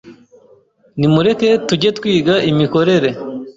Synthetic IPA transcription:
nimuɾe̞ke̞tuɟe̞twiːɡaʔimiko̞ɾe̞ɾe̞

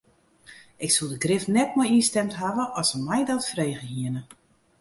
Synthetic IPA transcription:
ɪksulˠdəɡrɪfnɛt̚mɔjistɛmtɦavəʔɔsəmɛjdɔtfreːɣəhiənə

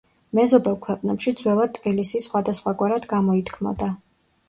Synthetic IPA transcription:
mɛzɔbɛlˠkʰwɛqʼnɛpʃid̪zwɛlˠad̪̚t̪ʰʼːbilisisːχwad̪asχwaɡwaɾad̪ɡamɔit̪ʰkʰmɔ̰d̪a

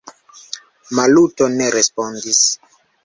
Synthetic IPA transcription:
malutoneɾespɔndis

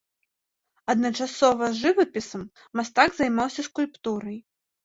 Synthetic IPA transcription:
ɐd̪nɐt͡ʂasɔvɐʐɨvɐpʲisɐmː | ast̪aɡzajmawsʲɐskulʲpt̪uɾɐj

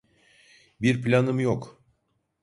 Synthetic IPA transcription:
biɾplʲanɯmjok

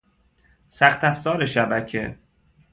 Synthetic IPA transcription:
sæxt̪æfzɒːɾe̞ʃæbæcʰe̞̰

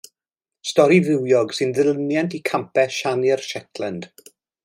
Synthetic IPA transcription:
stɔɾivɪwjɔɡsɨnðɪlˠnjantʰikʰampɛʃanərʃɛtʰlˠɛnd̥

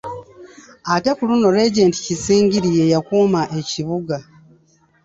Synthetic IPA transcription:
atekuluno̞ɾe̞ɟe̞ːnti̥cisiːŋɟiɾije̞jakuːmaʔe̞ciβuɡa

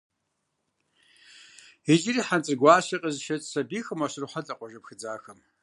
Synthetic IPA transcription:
id͡ʒɪriːħant͡sʼɨrɡʷaːɕɐqʼɐzʃɐt͡sʼsɐbiːxɨmaɕɪrħʷatʼɐqʷʼɔʒɐpxɨd͡zaːxɐm

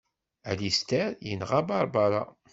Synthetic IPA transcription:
ælist̪æɾjənʁabɑɾˤbaɾˤɑ̰

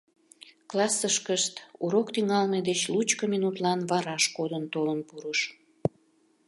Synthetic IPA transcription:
klɑsːəʃkəʃt̪uɾokt̪yŋɑlmed̪et͡ɕlut͡ɕkəminut̪lɑnβɑɾɑʃkod̪ənt̪olənpuɾəʃ

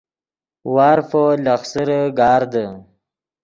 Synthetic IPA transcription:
wɑːɾfolaxsəɾəɡɑːɾd̪ə

